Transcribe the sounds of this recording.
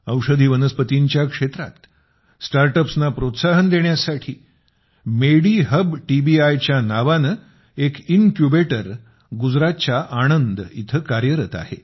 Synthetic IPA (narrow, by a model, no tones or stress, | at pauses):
əwʂəd̪ʱiːʋənəspət̪iɲt͡ɕjakʂet̪ɾa̰t̪ | sʈaɾʈəpsnapɾot̪saɦənd̪eɳjasaʈʰiː | meɽiɦəbʈibiajt͡ɕjanaʋanə | ekinkjubeʈəɾ | ɡud͡zɾat̪t͡ɕaʔaɽ̃ənd̪it̪ʰəkaɾjəɾət̪a̰hḛ